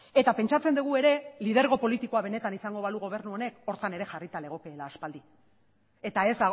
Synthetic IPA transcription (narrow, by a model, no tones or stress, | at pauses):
e̞t̪ape̞nt͡ʃat͡se̞nd̪uɣ̞ue̞ɾe̞lið̞e̞ɾɣo̞po̞lit̪iko̞aβ̞e̞ne̞t̪anisaŋɡo̞βaluɣ̞o̞β̞e̞ɾnuo̞ne̞ko̞ɾt̪ane̞ɾe̞xarit̪ale̞ɣ̞o̞keːlaːspald̪i | e̞t̪ae̞za